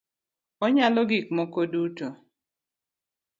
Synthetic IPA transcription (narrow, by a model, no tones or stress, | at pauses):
ɔɲalɔɡik̚mɔkoduto